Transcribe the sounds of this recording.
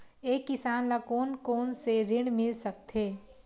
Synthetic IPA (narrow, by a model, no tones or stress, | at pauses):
eːkːɪsaːnlakoːnkoːnseɾɪɽmɪlsək̚t̪ʰeː